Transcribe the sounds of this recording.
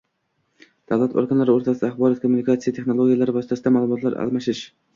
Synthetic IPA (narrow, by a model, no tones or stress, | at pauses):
d̪̥avlat̪ʰo̰ɾɡanlaɾɪoɾt̪ʰasɪd̪aːχbɒɾɒt̪̚kʰomːunikat̪sijat̪ʰe̞χnolˠoɡʲijalaɾɪbɒsɪt̪ʰasɪd̪amaːlˠʊmɒt̪ʰlaɾa̰lˠmaʃɪʃ